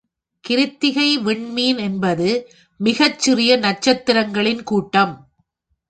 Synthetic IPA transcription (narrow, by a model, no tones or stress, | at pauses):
kɪɾɪt̪ːɪɣɐɪʋɪɳmiːnɛnbɐðɯ | mɪɣɐt͡ʃːɪrɪjɐnɐt͡ʃːɐt̪ːɪɾɐŋɡɐɭɪnkuːʈːɐm